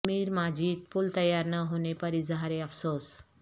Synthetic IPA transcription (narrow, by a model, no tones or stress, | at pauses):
miːɾmad͡ʒiːt̪̚pult̪əjaɾnəɦonepəɾizəɦaɾeəfsoːs